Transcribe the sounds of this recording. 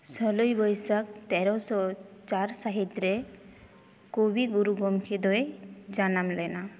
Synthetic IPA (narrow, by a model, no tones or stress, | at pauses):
sɔlojbɔjsak̚t̪ɛɾɔsɔt͡ʃaɾsaɦit̪ɾe | kobiɡuɾuɡɔmkʰid̪ɔjd͡ʒanamlɛna